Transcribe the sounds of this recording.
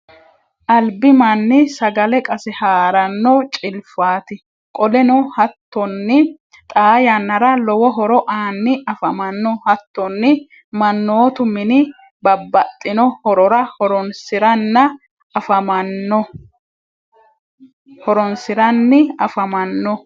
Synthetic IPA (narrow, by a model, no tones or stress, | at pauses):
ʔɐlbɪmɐnːɪsɐɡɐlɛkʼɐsɛhaːɾɐnːɔt͡ʃʼɪlfaːt̪ɪ | kʼɔlɛnʊhɐt̪ːɔnːɪ | t̪ʼaːjɐnːɐɾɐlɔwɔɦɔɾɔʔaːnːɪʔɐfɐmɐnːɔhɐt̪ːɔnːɪ | mɐnːoːt̪ʊmɪnɪ | bɐbːɐt̪ʼːɪnɔhɔɾɔɾɐhɔɾɔnsɪɾɐnːɐ | ɐfɐmɐnːɔ | hɔɾɔnsɪɾɐnːɪɐfɐmɐnːɔ